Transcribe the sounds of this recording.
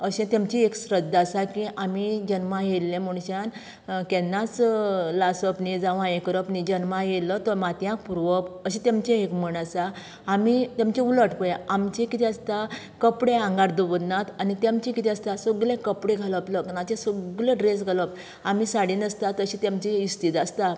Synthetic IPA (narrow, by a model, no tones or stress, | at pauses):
əɕɛ̃t̪amt͡ɕieksɾəd̪ːasakĩʔamid͡ʑənmajelːẽmuɳ̃ɕan | kɛnːãt͡slasəpnid͡zaʋãjẽkəɾəpnid͡ʑənmajelət̪ɔmat̪jãk̚puɾʋəpəɕĩt̪amt͡ɕẽekməɳasaː | mit̪jãmt͡ɕẽuləʈpəjaamt͡ɕekit̪ʰiast̪a | kəpɽeãŋɡaɾd̪uʋəd̪nat̪anit̪jamt͡ɕẽkit̪ʰiəst̪asɔɡlekəpɽeɡʱaləpləknat͡ɕẽsɔɡleɖɾesɡʱaləp | amisaɽiːnəst̪at̪əɕit̪jamt͡ɕiist̪it̪ast̪a